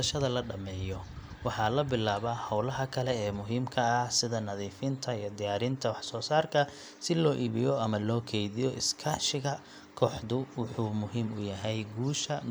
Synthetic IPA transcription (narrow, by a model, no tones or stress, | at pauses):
ʃɐðɐlɐɖɐmɛːjɔwɑħɑːlɐbɪlaːβaːhɐwlɐɦɐkʰɐlɛɛːmʊɦiːmkʰɐːhsɪðɐnɐðiːfɪnt̪ʰɐijɔd̪ɪjaːɾɪnt̪ʰɐwɑħsɔːsaːrkʰɐ | sɪlɔːʔiːβɪjɔɐmɐlɔːkʰɛjðɪjɔʔɪskʰɐʃɪɣɐ | kʰɔːħðʊwʊħuːmʊɦiːmʊjɐɦɛjɡuːʃɐ